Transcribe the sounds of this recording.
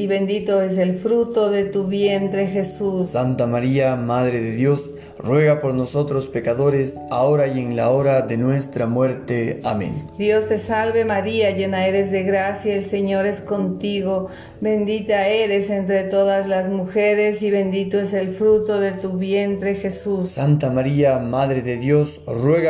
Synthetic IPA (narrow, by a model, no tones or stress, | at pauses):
iβe̞nd̪it̪o̞es̬e̞lfɾut̪o̞ðe̞t̪uβje̞nt̪ɾe̞xe̞sussant̪amaɾiamaðɾeðeðjo̞s | rwe̞ɣapo̞ɾno̞so̞t̪ɾospe̞kaðo̞ɾes | a̰oɾaje̞ŋlao̞ɾaðe̞nwe̞st̪ɾamwe̞ɾt̪ea̰mḛ̃nd̪jo̞st̪e̞salβe̞maɾiaʝe̞naeɾezðe̞ɣɾasjaelse̞ɲo̞ɾe̞sko̞nt̪iɣo̞ | βe̞nd̪it̪aeɾe̞se̞nt̪ɾet̪o̞ðazlazmuxeɾe̞siβe̞nd̪it̪oese̞lfɾut̪o̞ðe̞t̪uβje̞nt̪ɾe̞xe̞sussant̪amaɾiamaðɾe̞ðeðjo̞srwe̞ɣa